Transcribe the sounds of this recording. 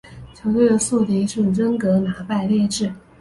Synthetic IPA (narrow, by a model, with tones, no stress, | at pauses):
t͡ɕʰjo˧˥ʊt̪we˥˩ɪd̪ə˩su˥˩t̪i˧˥ʂɻ̩˥˩ɻə˥ŋkɤ˧˥na˧˥pa˥˧ɪljɛ˥˧ʈ͡ʂɻ̩˥˩